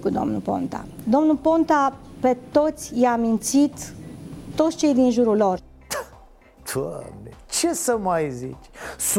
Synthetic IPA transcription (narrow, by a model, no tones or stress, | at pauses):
kud̪o̞̰mnṵpo̞̰nt̪a̰d̪o̞mnupo̞nt̪ape̞t̪o̞t̪sʲjamint̪sit̪ː | o̞t̪sʲt͡ʃe̞jd̪inʒuɾulo̞r̥ | d̪̥a̰mnet͡ʃesəmajzḭt͡ʃs